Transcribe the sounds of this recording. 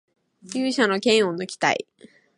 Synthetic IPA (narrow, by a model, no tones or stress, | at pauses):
jɨːɕano̞kẽ̞ɰ̃onokʲi̥t̪a̰ḭ